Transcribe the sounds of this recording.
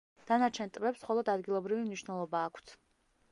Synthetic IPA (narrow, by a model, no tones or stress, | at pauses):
d̪̥anat͡ʃʰɛnt̪ʼvɛpsχɔlˠɔd̪ad̪ɡilˠɔbɾivimniʃnɛlˠɔbaːkʰt̪ʰ